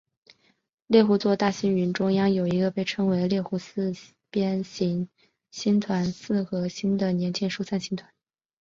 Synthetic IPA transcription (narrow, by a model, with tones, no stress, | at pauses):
ljɛ˥˩xu˧˥t͡swɔ˥˧t̪a˥˩ɕi˥ny˧˥nʈ͡ʂʊ˥ŋjɑ˥ŋjo˨˩ʊi˧˥ɡə˧pe˥˩ɪʈ͡ʂʰɤ˥ŋwe˧˥ɪljɛ˥˩xu˧˥sɹ̩˥ | pjɛ˥nɕi˧˥ŋ | ɕi˥nt̪ʰwa˧˥nsɹ̩˥˩xɤ˧˥ɕi˥nd̪ə˨njɛ˧˥nt͡ɕjɛ˥˧nʂu˥˧t͡sʰa˥˩nɕi˥nt̪ʰwa˧˥˦n